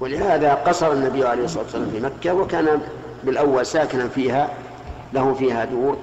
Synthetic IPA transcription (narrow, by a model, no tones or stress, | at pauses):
wɪlɪhaːðaqɑsˤɑɾˤɑnːabɪjːʕalejhsˤːɑːt̪wslaːmfimakːawakaːna | bɪlʔawːalsaːkɪnanfiːha | lahʊfiːhad̪uːɾ